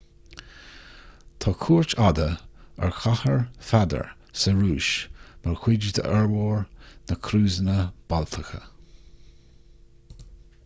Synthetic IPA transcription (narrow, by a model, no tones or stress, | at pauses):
t̪ʰɔkʰuːɹt͡ʃad̪əə̰ɹxʰahəɹfad̪ə̰ɹ | səɹuːʃməɹxwɪd͡ʒəd̪ʰə̰ʔɛɹwɔːɹnəkʰɾuːzənəb̥alt̪ʰəxə̰